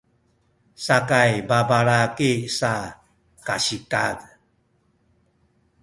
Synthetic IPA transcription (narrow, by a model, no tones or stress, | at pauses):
sakajbabaɾakisa | kaɕikad